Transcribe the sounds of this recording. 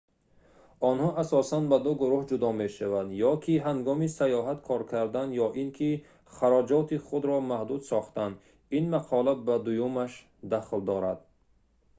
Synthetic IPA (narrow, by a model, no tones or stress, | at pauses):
ɔnhɔʔasɔsanbad̪uɡuɾuhd͡ʒud̪ɔmeʃavad̪jɔkʰiɦaŋɡɔmisajɔɦat̪kʰɔɾkʰaɾd̪anjɔʔinkʰi | χaɾɔd͡ʒɔt̪ʰiχud̪ɾɔmahd̪ud̪sɔχt̪and̪ | inmaqʰɔlabad̪ujumaʃ | d̪aχld̪ɔɾad̪̥